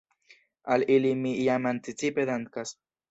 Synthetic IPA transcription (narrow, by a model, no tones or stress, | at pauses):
alilimiijamant̪it͡siped̪ankas